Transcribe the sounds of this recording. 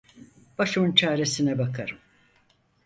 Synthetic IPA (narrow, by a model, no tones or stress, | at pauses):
b̥aʃɯmɯnt͡ʃʰaːɾe̞sinɛbakʰaɾɯm